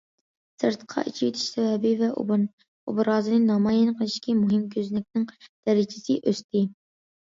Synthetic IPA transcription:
sɨɾt̪qʰɑ̰ʔit͡ʃʰijit̪ʰɪ̥ʃsɛvɛbɪvɛʔ | ṵbɾɑːzɨnɨnɑmɑːjɪnqʰəlˠɪʃkʲimuɦɪmkʲʰøznɪk̚ʲnɪŋd̪̥ɛɾɪt͡ʃʰɪ̥sɪʔøst̪ʰɪ

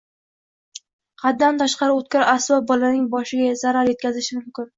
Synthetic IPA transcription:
qʰɑd̪̚d̪ant̪ʰaʃqɑɾɪot̪̚kʲaɾasɒbɒlanɪŋbɒʃɪɡʲazaɾaɾje̞t̪̚kʲʰazɪʃɪmʊmkʲɪn

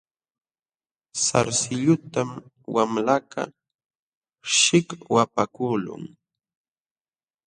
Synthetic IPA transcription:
saɾsɪʎʊt̪am | wamlaka̰ | ʃɪkwapakuːlʊ̰ŋ

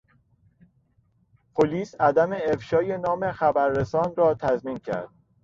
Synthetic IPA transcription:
pʰoliːsæd̪æme̞efʃɒːjenɒːme̞xæbæɾːesɒːnrɒːt̪ʰæzmiːncʰæ̰ɾd̪̥

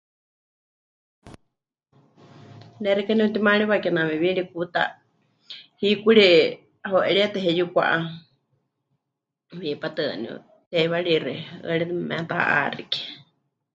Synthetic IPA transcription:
nɛɾikaniut̪imaɺiβakɛnamɛβiɺik̚ut̪a̰ | hikʷuɺi | aɦoʔɛɺiat̪ɛɦɛjukʷa̰ʔa | wipat̪ɨniṵ | t̪ɛiβaɺirɛə̰ɺɛmɛ̰t̪aa̰ʔa̰rḭkɛ̥

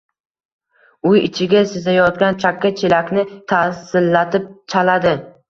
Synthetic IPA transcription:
ʊjɪt͡ʃʰɪɡʲasɪzajɒt̪̚ɡʲant͡ʃʰakʲːat͡ʃʰelakʲnɪt̪ʰasɪlːat̪ʰɪp̚t͡ʃʰalad̪ɪ

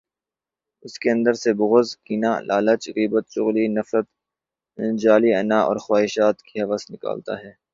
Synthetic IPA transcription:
ɪskeɐ̃nd̪əɾsebʊɣʊzkiːnaːlʔaːlət͡ʃɣiːbət̪ʃʊɣlinɐfɾət̪ | d͡ʒaːliɐnaːɔ̰ːɾxwaːɦɪʃaːt̪kiɦɐʋəsnɪka̰ːlt̪a̰ɦɛː

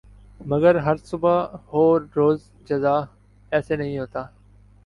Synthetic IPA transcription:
məɡəɾɦəɾsʊbəhoːɾːoːz | d͡ʒəzaː | ɛːseːnəɦĩɦoːt̪aː

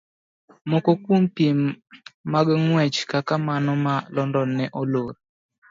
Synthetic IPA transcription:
mɔkɔkwompjemː | aɡŋwɛt͡ʃkakamanɔmalɔndɔnːɛʔɔloɾ

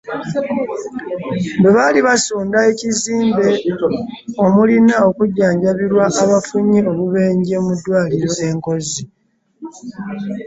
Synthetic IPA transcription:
mbeβaliβasuːndae̞ciziːmbe̞ | o̞mulinao̞kuɟːaːɲɟaβiɾwaʔːβafuɲio̞βuβe̞ːɲɟe̞mudːwaːliɾo̞e̞ŋko̞zi

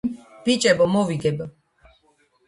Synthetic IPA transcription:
b̥it͡ʃʼɛbɔmɔviɡɛb

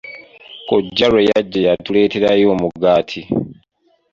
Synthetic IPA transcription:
koɟːalojaɟːejatule̞ːte̞ɾajo̞ːmuɡaːtʰi

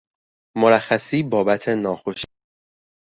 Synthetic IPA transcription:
mo̞ɾæxːæsiːbɒːbæt̪ʰe̞nɒːxo̞ʃi

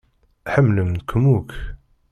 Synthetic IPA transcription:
ħəmːləmkʰmuk

